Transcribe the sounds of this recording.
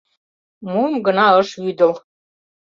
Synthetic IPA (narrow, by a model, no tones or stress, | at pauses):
mumɡɤ̆nɑɤ̆ʃyd̪ə̆l